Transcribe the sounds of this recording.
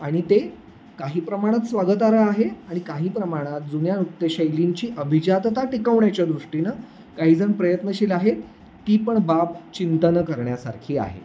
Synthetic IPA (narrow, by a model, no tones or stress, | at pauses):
aɽ̃it̪e | kaɦiːpɾəmaɽ̃at̪sʋaɡət̪aɾəaɦeaɽ̃ikaɦiːpɾəmaɽ̃at̪̚d͡zunjanukt̪ːeɕəjliɲt͡ɕiːʔəbʱid͡ʑat̪t̪aʈikəʋɳjat͡ɕjad̪ɾuʂʈinə | kaɦiːd͡zəŋpɾəjət̪nəɕiːlaɦet̪ː | iːpəɳbapt͡ɕint̪ənəkəɾɳjasa̰ɾkʰiːa̰ɦḛ